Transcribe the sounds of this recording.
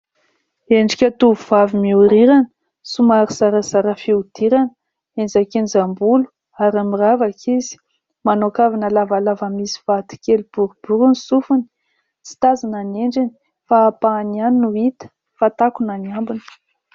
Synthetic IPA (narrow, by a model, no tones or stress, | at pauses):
eɳɖ͡ʐikʲat̪uvuvavimiuɾiɾanə | sumaɾisaɾəzaɾəfiud̪̥iɾanə | enzakenizambulu̥ | aɾamiravakʰizi̥ | manokavinəlavalavəmisi̥vat̪i̥kʲelub̥uɾub̥uɾunisufuni̥ | t͡si̥t̪azananeɳɖ͡ʐini | faːpanianinuit̪ə̥ | fat̪akunaniambunə̥